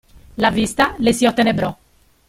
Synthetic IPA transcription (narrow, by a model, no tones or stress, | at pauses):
lavist̪alesiɔt̪ːenebɾɔ